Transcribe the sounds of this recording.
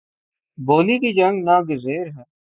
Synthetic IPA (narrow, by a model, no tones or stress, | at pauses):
boːlikiːd͡ʒəŋɡnaːɡɪzeːɾɦə